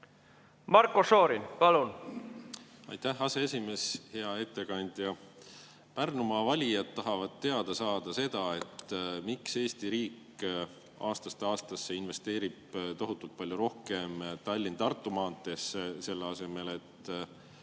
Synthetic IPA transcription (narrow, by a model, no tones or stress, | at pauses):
mɑɾkːosoːɾinpɑlun | ɑjt̪ːæhɑse̞e̞sʲime̞ːshe̞ɑe̞t̪ːe̞kɑnʲd̪̥jɑ | pærnumɑvɑlʲijɑt̪t̪ːɑɦɑvɑd̪̥̚t̪ːe̞ɑd̪̥ɑsɑːd̪̥ɑse̞d̪̥ɑe̞t̪ːmikse̞ːst̪iɾiːk | ɑ̰ːst̪ɑst̪eɑːst̪ɑsːe̞inve̞st̪e̞ːɾib̥̚t̪o̞ɦut̪ːˑult̪̚pɑlʲjuɾo̞hke̞mt̪ɑlʲːint̪ɑrt̪ˑːumɑːnt̪ːˑe̞sese̞lːeɑse̞me̞le̞t̪ː